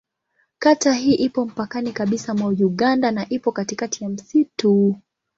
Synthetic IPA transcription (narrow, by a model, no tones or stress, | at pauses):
kataɦiːʔipɔm̩pakanikaɓisamwajuɠandanaʔipɔkatikatijam̩situ